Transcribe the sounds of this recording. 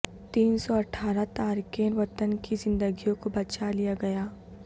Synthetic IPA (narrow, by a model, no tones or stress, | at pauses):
t̪iːnsɔɐʈʰːaːɾat̪aːɾkeːnʋɐt̪ənkizɪ̃nd̪əɡijõkobɐt͡ʃalijaɡɐjaː